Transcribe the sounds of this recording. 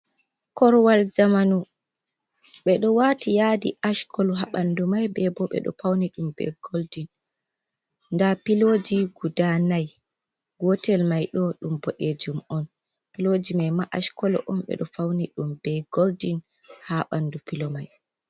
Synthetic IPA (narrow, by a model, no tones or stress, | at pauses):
kɔɾwald͡ʒamanu | ɓɛɗɔwatijadḭʔaʃkʰɔlɔɦaɓandumajbɛbɔɓɛ̰ɗɔ̰fawniɗumbɛ̰ɡ̥oldin | ndapiloːd͡ʒiɡudanaj | ɡɔtɛlmajɗɔɗumbɔɗed͡ʒumɔn | pilod͡ʒimajmaʔaʃkɔlɔ̰ʔɔmɓɛ̰ɗɔfawniɗumbɛɡoldin | haɓandupilɔmaj